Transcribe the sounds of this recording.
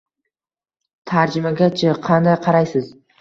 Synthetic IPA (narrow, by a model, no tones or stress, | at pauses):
t̪ʰaɾd͡ʒɪmaɡʲat͡ʃʰaqʰɑnd̪ajqʰɑɾajsɪz